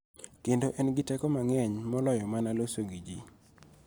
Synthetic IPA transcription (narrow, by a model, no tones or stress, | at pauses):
kendoʔɛnɡɪtɛkɔmaŋɛɲmɔlɔjɔmanalosoɡid͡ʒi